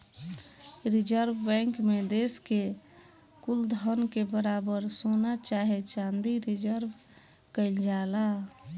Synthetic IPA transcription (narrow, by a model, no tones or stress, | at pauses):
ɾɪd͡ʒəɾbbɛ̃ŋkmed̪eːske | kuld̪ʱənkebəɾaːbəɾsonat͡ʃaːɦet͡ʃãːnd̪iɾɪd͡ʒəɾb | kəɪld͡ʒaːla